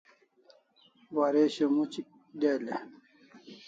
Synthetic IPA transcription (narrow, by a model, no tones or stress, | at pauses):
waɾeɕomut͡ɕik | d̪elḛ